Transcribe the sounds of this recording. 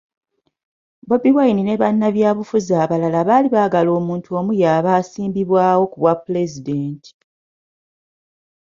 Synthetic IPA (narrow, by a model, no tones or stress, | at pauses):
bo̞biwajnine̞βanːaβjaːβufuzaːβalalaβaːliβaːɡalo̞ːmuːntʰuo̞ːmujaːβaːsiːmbiβwaːwo̞kuβwapːule̞zide̞ːntʰi̥